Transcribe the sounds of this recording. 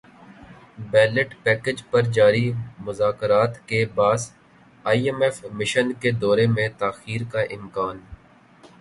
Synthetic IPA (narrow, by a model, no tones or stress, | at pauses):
bɛːləʈpɛːked͡ʒpɐɾd͡ʒaːɾimʊzaːkɾaːt̪kebaːs | aːiɛmɛːfmɪʃənked̪ɔːɾemẽt̪aːxiːɾkaʔɪmkaːn